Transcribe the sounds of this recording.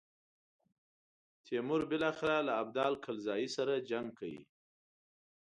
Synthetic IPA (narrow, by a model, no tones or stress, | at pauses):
t̪ʰemʊɾbɪlɑxɪɾalaːb̚d̪ɑlkʰalzɑjisaɾad͡ʒaŋɡ̚kʰawḭ